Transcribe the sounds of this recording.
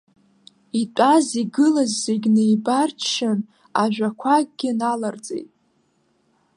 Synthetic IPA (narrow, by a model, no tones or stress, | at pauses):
itʷʼaziɡɨlazːeɡʲnejbart͡ʃʰʃan | aʒᶣʷakʷʰaɡɡʲɪnalard͡zʼḛjtʼ